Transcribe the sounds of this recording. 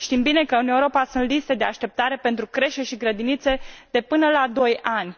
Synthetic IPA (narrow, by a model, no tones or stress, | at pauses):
ʃt̪imbine̞kəɨneuɾo̞pasunt̪list̪e̞d̪e̞aʃt̪e̞p̚t̪aɾe̞pe̞nt̪ɾukɾe̞ʃt̪eʃiɡɾəd̪init̪se̞d̪̥e̞pɨnəlad̪o̞janʲ